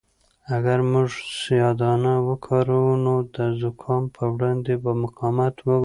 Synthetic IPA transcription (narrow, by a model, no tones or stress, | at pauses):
aɡaɾmuʒsjɑd̪ɑnawəkʰɑɾunod̪əzʊkʰɑmpʰəwɽɑnd̪ebəmʊqɑmat̪wə